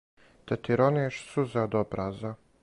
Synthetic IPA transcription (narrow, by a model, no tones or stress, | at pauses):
t̪at̪iɾoneʃsuzad̪obɾaza